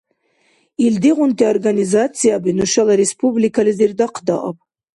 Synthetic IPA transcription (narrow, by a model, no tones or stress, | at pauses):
ild̪iʁʷʊnt̪ʰiorɡanizat͡sʰijabinuʃalaɾespʰublikʰalɨzird̪aqʰd̪a̰ʔa̰pʼ